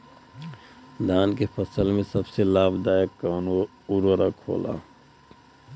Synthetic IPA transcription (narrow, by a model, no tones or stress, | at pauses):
d̪aːnkepʰəsəlmẽsəbselaːbd̪aːjəkːano | uɾoɾakʰo̰ːla̰ː